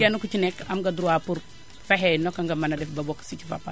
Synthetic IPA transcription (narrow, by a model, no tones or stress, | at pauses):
anukut͡ʃinekamɡaduɾuwapuɾ | feɦenokaŋɡamanadɛfbabɔksit͡ʃifa̰pa